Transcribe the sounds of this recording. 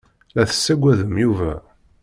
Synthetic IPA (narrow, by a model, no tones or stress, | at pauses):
læθə̥sːæɡʷːæðəmjuvæ